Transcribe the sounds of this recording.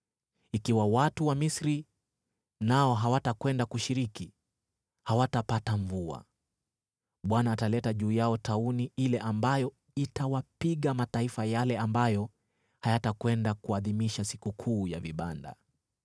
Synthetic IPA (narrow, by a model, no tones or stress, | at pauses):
ikiwawatuwamisɾi | naɔɦawatakwɛndakuʃiɾiki | hawatapataɱvua̰ | ɓwanaːtalɛtaʄuːjaɔtauniilɛʔambajɔ | itawapiɠamataifajalɛambajɔ | hajatakwɛndakuaðimiʃasi̥kukʰuːjaviɓanda̰